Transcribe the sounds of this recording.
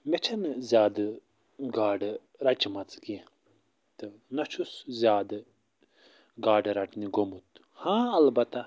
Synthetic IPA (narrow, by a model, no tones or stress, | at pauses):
met͡ʃʰɐnzʲjaːd̪ | ɡaːɖ | ɾɐt͡ʃmɐt͡ski | t̪ɨnɐt͡ʃʰuszʲjaːd̪ | ɡaːɖɾɐʈniɡomut̪ | hãːɐlbɐt̪a